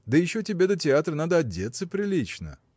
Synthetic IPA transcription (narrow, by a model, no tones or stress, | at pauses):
d̪əjɪɕːotʲɪbʲe̞d̪ətʲɪat̪ɾənad̪əɐdʲːet̪səpɾʲɪlʲit͡ɕnə̰